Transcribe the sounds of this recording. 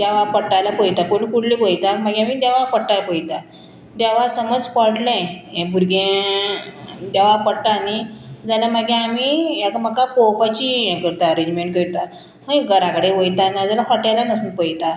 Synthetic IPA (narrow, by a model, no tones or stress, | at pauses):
d̪ɛʋapəɽʈːajlapəjt̪apolukuɽlibojt̪amaɡeamid̪ɛʋapəɽʈajlapəjt̪a | d̪aʋasəməd͡zpəɽlɛ̃ɛ̃bʱuɾɡẽ | d̪aʋapəɽʈ̪aːnid͡zalaməɡẽamiɛkm̤əkapowpat͡ɕiɛ̃kəɾt̪aəɾed͡ʑmeɳʈ̚kəɾt̪a | hə̃ɡəɾakɽeʋəjt̪anad͡zalafəʈalanəsunpəjt̪a